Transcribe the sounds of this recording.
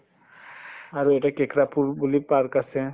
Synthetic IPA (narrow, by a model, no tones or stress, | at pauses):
aɾueʈakekɾapuɾbulipaɾkasẽ